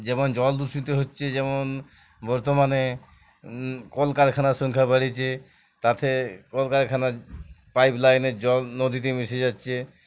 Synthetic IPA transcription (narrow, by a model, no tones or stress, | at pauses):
d͡ʑɛmond͡ʑɔld̪usit̪eɦotːɕʰed͡ʑɛmon | bɔɾt̪omane | kɔlkaɾkʰanaʃɔŋkʰabaɽit͡ɕʰe | t̪at̪ʰekɔlkaɾkʰanapajplajneɾd͡ʑɔlnod̪ʱit̪̬emiʃed͡ʑatːɕʰe